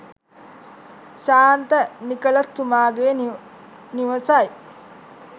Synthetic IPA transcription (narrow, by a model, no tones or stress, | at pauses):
ʃaːnt̪ənikəlɐst̪ːumaːɡeː | niʋəsaj